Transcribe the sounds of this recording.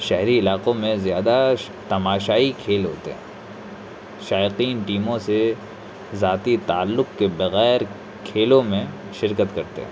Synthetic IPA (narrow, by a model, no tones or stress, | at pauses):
ʃɛɦɾiɪlaːqõmẽzjaːd̪a | t̪ɐmaːʃaːikʰeːlɦo̰ːt̪ḛɦɛ̰̃ː | ʃaːɪqiːnʈiːmõse | zaːt̪it̪aːlːʊqkebɐɣɛːɾ | kʰeːlõmẽ | ʃɪɾkət̪kɐɾt̪ḛɦɛ̰̃ː